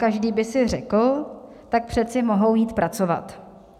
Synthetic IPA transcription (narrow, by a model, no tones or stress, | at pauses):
kaʒdiːbɪsɪr̝ɛkl̩ | t̪ak̚pr̥ɛt͡sɪmo̞ɦo̞wjiːt̪pɾʔat͡so̞va̰t̪